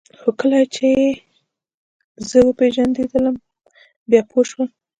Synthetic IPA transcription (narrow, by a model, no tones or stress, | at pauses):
xokəlajt͡ʃeje | zəwəpeʒand̪ed̪ələm | bjɑpʰoʃwəl